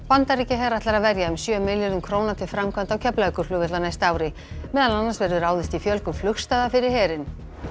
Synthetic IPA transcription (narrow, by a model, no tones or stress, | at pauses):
pant̪aɾicɪɦɛːɾaht̪laɾaðvɛɾjaʏmsjœmɪljɔnʏmkʰɾoːwnat̪ʰɪlfɾamkʰvant̪awcʰɛplaɛkʏɾ̥lʏːɣvɪɛt̪lanajst̪aːwɾɪ | mɛːðananːansvɛɾðʏɾaːwðɪst̪ifjœlkʏmflʏxst̪aðafɪɾɪɾ̥hɛːɾɪn